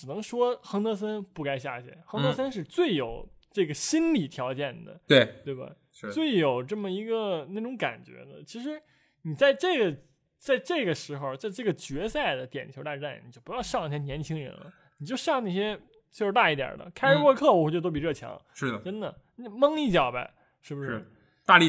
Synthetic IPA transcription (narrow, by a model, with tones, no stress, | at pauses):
ʈ͡ʂɻ̩˨˩nɤ˧˥ŋʂwɔ˥xɤ˧˥ŋt̪ɤ˧˥s̬ə˥npu˥˩ka˥ɪɕ̬ja̰˥˩ɕjɛ̰˥˩nxɤ˧˥ŋt̪s̬ə˥nʂ̬ɻ̩˥˧t͡swe˥˩ɪjo˨˩ʊʈ͡ʂɤ˥˩ɡə˩ɕi˥nli˨˩t̪ʰjɑ˧˥ʊt͡ɕjɛ˥˩nd̪ə̰˩t̪we˥˩t̪we˥˩ɪba̰˧˩˧ | t͡swe˥˩ɪjo˨˩ʊʈ͡ʂɤ˥˩mə˩i˧˥ɡə˧na˥˩ʈ͡ʂʊ˧˥ŋka̰˨˩nt͡ɕɥɛ̰˧˥d̪ə̰˧t͡ɕʰi˧˥ʂ̬ɻ̩˧˥ | ni˨˩t͡sa˥˧ɪʈ͡ʂɤ˥˩ɡə˩ | t͡sa˥˧ɪʈ͡ʂɤ˥˩ɡə˩ʂɻ̩˧˥xo˧t͡sa˥˧ɪʈ͡ʂɤ˥˩ɡə˩t͡ɕɥɛ˧˥sa˥˩ɪd̪ə˩t̪jɛ˨˩ni˨o˧˥t̪a˥˧˥a˥˩nni˨˩t͡ɕjo˥˩ʊpu˧˥jɑ˥˧ʊɕjɑ˥˧ŋi˥˩ɕjɛ˥njɛ˧˥nt͡ɕʰi˥ŋɻə̰˧˥nlə̰˧ | ni˨˩t͡ɕjo˥˧ʊɕjɑ˥˧ŋna˥˩ɕ̬jɛ˥ | t͡ɕjʂt̪a˥˧i˥˩t̪jɑ̰˨˩d̪ə̰˦kʰɪɻ̩˧˥wɔ˥˧kʰɤ˥˩wɔ˨˩wt͡ɕo˥˧˩t̪p̬i˩ɻɤ˥˩t͡ɕʰjɑ̰˧˥ŋʂɻ̩˥˧˨ʈ͡ʂə˥nd̪ə˨˥˧ | mɤ˥ŋi˥˩t͡ɕjɑ˨˩ʊbɐ̰˧ | ʂɻ̩˥˩bu˩ʂɻ | t̪a˥˧i˥˩